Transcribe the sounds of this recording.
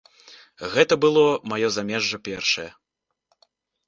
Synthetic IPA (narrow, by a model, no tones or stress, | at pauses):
ɣɛt̪ɐbɨlˠɔmajɔzamʲɛʐːɐpʲɛrʂɐjɐ